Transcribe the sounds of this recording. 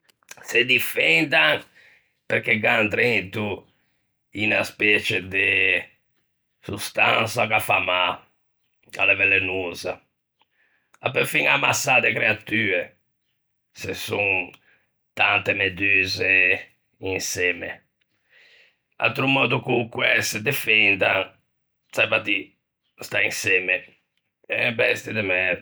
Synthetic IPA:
sed̪ifɛnd̪aŋ | peɾkeɡant̪ɾent̪u | inaspɛt͡ʃed̪e | sust̪a̰nsakafama | a̰levɛlːenunza | apːeɾfiŋamasad̪ekɾeat̪ye | sesuŋ | t̪ant̪emed̪yze | insɛme | a̰lt̪ɾumɔːd̪ukukwɛsed̪efɛnd̪aŋ | sabat̪i | st̪ainsɛme | ɛbɛst̪id̪ɛmɛ

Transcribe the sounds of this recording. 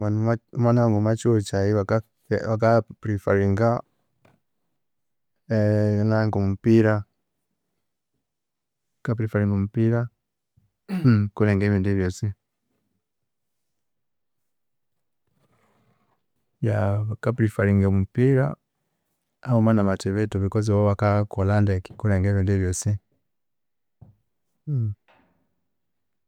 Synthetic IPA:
anamanaaŋɡumat͡ʃuɔt͡ʃajiwaka | wakapɾifaɾiŋɡa | naŋɡɔmupiɾa | kapɾifaɾiŋɡɔm̩piɾa | kulɛŋɡɛβinduβjɔsi | jakapiɾifaɾiŋɡɔmumpiɾa | aumanamatɛβɛtuβikɔziwɔwakakɔlandɛkkulɛŋɡɛvindivjɔsi

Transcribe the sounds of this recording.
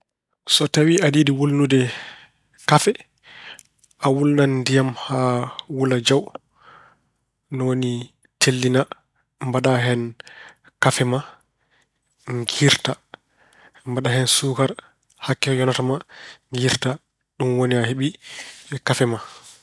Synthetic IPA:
sɔtawiaɗiːdiwolnudɛ | kafɛ | awulnanːdijamhawulad͡ʒaw | nɔwoni | tʰelːina | mbaɗaɦɛn | kafɛma | ŋɡiɾta | mbaɗahɛnsukaɾ | hakːɛjɔnatamaŋɡiɾta | ɗumwoniaheɓiɛkafɛma

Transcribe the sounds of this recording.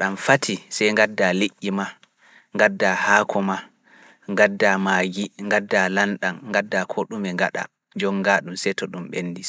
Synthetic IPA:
ɗamfatʰisɛjŋɡadːaliʔʲːima | ŋɡadːahakʰɔma | ŋɡadːamaːɡiŋɡadːalanɗanŋɡadːakʰɔɗumɛŋɡaɗa̰ | d͡ʒɔŋɡaɗumsɛjtɔɗumɓenːdi

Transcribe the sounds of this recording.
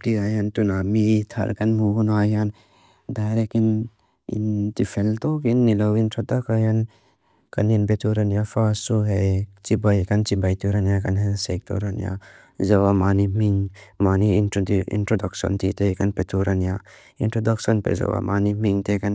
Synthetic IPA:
diajant̪unamit̪ʰɐ̰ɾkɐnmuɡunajan | dajɾekin | ḭnt̪ifʰelt̪okinːilɔwintʰɔt̪akajan | kɐninpet̪ʰuɾɐnjafasuɦet͡ʃibajkɐnt͡ʃibajt̪uɾanjakɐnɦensek̚t̪o̰ɾɐnja̰ | zɐwamanimiŋmaniːntɾdiḭntɾodɔksɔ̰nt̪it̪ekɐnpet̪uɾanja | intɾodɔksɔnpḛzɐ̰wa̰manimiŋt̪ekɐn

